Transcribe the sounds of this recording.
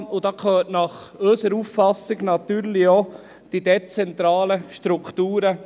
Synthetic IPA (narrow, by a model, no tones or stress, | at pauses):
ʊd̥̪ɑːkʰøːətnɑχøsəɾuːffɑsːɪɡnɑt̪yːɾlɪo | d̥id̥̪ɛt͡sɛnt̪ɾɑːləʃtɾukt̪uːɾə